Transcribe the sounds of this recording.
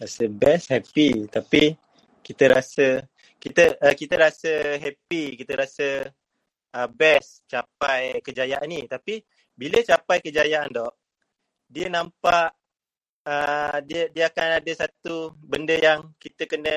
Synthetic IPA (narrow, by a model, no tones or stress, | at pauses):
ɾasəbɛshɛpit̪api | kit̪əɾasə | kit̪əʔəkit̪əɾasəɦɛpikit̪əɾasə | əbɛs | t͡ʃap̚ajkəd͡ʒajaʔanit̪api | bilət͡ʃapajkəd͡ʒajaʔandɔʔ | diənampaʔ | ədiədiəakanadəsat̪ubəndəjaŋkit̪əkənə